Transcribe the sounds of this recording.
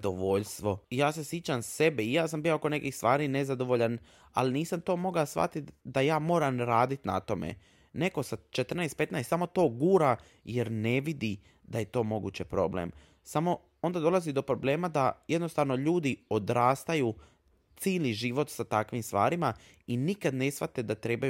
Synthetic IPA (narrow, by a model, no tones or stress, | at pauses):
d̪oʋoʎst̪ʋo̞ijaːse̞sjet͡ɕamse̞beijaːsambijooko̞nekixst̪ʋaːɾine̞zad̪o̞ʋoʎan | a̰liniːsamt̪o̞ːmo̞ɡasʋa̰t̪it̪d̪ajaːmo̞ːɾamɾaːd̪it̪na̰t̪o̞mḛ | ne̞ko̞sat͡ʃet̪r̩najst̪pe̞t̪najst̪samo̞t̪o̞ːɡuːɾa | je̞ɾne̞ʋid̪i | d̪aje̞t̪o̞ːmo̞ɡṵt͡ɕepɾo̞̰blḛm | samo̞ | o̞nd̪ad̪o̞lˠazid̪o̞pɾo̞ble̞ːmad̪aje̞d̪no̞st̪aʋno̞ʎuːd̪iod̪ɾaːst̪aju | t̪siːlniʒiʋo̞t̪sat̪akʋimst̪ʋa̰ːɾima | inikad̪ne̞sʋa̰t̪ed̪at̪ɾe̞ːbaj